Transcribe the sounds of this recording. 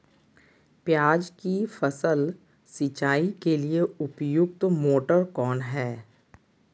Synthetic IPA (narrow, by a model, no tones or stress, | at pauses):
pjaːd͡ʒkifəsəl | sit͡ʃaːikelieʊpjʊkt̪moːʈəɾkɔːnɦɛː